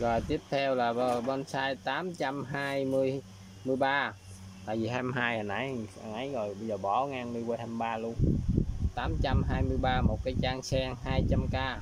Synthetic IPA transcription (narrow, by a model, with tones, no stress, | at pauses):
ɣɔ˨˩jt̪i˦˥əp̚t̪ʰɛ˧wlaː˨˩ɓə˧˩ɓɔ˧nsaː˧jt̪aː˨˦mt͡ɕa˧mɦaː˧jmɨ˧əj | mɨ˧əjɓaː˧ | t̪a̰ː˧˨jvi˨˩haː˧jma˧jhaː˧jʔə˨˩nʔa˨˦jʔa˨˩nʔə˨˦jɣɔ˨˩jɓə˧jzəː˨˩ɓɔ˧˩ŋaː˧ŋnɨ˧wə˧jhaː˧jm˧jɓaː˧lu˧ənt̪aː˨˦mt͡ɕa˧mɦaː˧jmɨ˧əjɓaː˧mo˨˩t̚kaː˨˦jt͡ɕaː˧ŋsɛ˧ŋɦaː˧jt͡ɕa˧mkaː˧